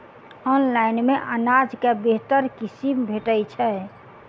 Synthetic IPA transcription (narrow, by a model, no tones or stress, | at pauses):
ɔnlainmeʔənad͡ʒkebeɦt̪əɾkisimbʱeʈəjt͡ʃʰɛ